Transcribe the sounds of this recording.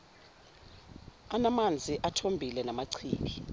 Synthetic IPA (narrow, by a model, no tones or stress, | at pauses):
anamand͡zʱiʔatʰombʱilɛnamaǀʰiːk̬i